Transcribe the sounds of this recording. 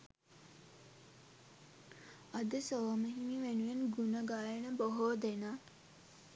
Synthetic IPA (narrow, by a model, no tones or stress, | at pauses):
ɐd̪əsoːməɦimiʋenuʋenɡunəɡaːjenəboɦoːd̪ena